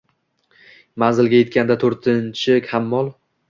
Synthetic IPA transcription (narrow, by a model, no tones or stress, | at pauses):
manzɪlɡʲaje̞t̪̚kʲand̪at̪ʰɵɾt̪ʰɪnt͡ʃʰɪkʲʰamːɒlˠ